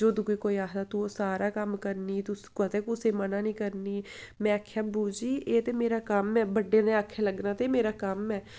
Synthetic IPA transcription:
d͡ʒoːd̪ukoiːkoːiːaːɦd̪aːt̪uːoːsaːɾaːkəmkəɾniːt̪ʊskət̪eːkʊseːmənãːnĩːkəɾniːmɛ̃ːakʰːjaːbuːd͡ʒiːʔeːt̪eːmeːɾaːkəmɛːbəɖːeːnɛ̃ːakʰːeːləɡnaːt̪eːmeːɾaːkəmɛː

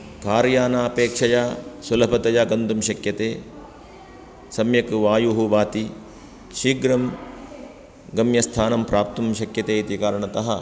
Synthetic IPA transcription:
kaːɾjaːnaːpeːkʂɐjasulɐpɐt̪ɐjaɡɐnd̪umʃɐkjɐt̪eː | sɐmjɐkʋaːjuɦuʋaːt̪i | ʃiɡɾɐm | ɡɐmjɐst̪ʰaːnɐmpɾaːp̚t̪umʃɐkjɐt̪eːit̪ikaːɾɐɳɐt̪ɐɦɐ

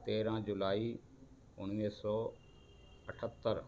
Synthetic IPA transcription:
t̪eːɾãːd͡ʒʊlaːiː | ʊɳ̃iːsɔː | əʈʰət̪ːəɾ

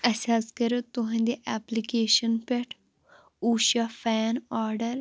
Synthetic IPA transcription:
ɐsaːskɐɾeːt̪ʊɦə̃nd̪eʔɛːplikeːʃənpeʈʰ | uːʃaːfʰɛːnaːɾɖəɾ

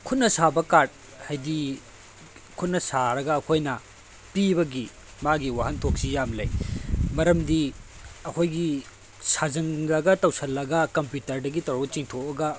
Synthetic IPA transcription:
kʰut̚nɐsabɐkaɾd̚ | hajdi | kʰut̚nɐsaɾɐɡɐːkʰojnɐ | pibɐɡi | maɡiwaɦɐntʰok̚sijamlɐ̰jmɐɾɐmdiɐkʰojɡi | sazɐŋlɐɡɐtɐwsʰɐlːɐɡɐkɐmpjutɐɾdɐɡitɐɾbɐt͡ʃiŋtʰok̚ɐɡɐ

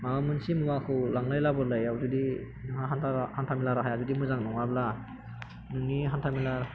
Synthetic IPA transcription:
mamunsimɯŋakʰɯwlaŋlajlabɔlajawzudi | nɯŋɦaɦanahantʰamilaɾaɦajazudimɯzaŋnɔŋabla | nɯŋniɦantʰamilaɾ

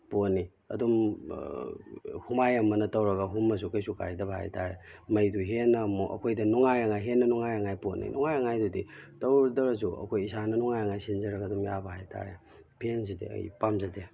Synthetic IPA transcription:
ponːi | ɐ̰dum | humajɐmːɐnɐtɐwɾɐɡɐɦumːɐs̬ukɐjsuka̰ɾidɐbɐɦa̰jtaɾḛ | mɐjduɦenːɐmuʔɐ̰kʰojdɐnuŋajɐŋajɦenːɐnɔŋajɐŋajponːḭnɔŋajɐŋajduditɐwɾdɐɾɐs̬uɐ̰kʰojisanɐnɔŋajɐŋajsinzɐɾɐɡɐdumjabɐhajtʰa̰ɾe | pʰens̬idḛɐ̰jpamzɐde

